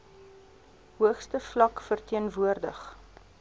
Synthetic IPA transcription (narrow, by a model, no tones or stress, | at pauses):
ɦuəχstəflɐkfərtiənvuərdəχ